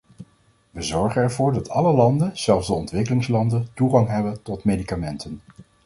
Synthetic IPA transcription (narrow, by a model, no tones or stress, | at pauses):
ʋəzɔɹχənɛɹvʊːɹdɑtʰɑləlɑndənz̥ɛlˠvzdəɔntʋɪkəlɪŋslɑndəntuχɑŋɦɛbəntɔtmejdikamɛntʰən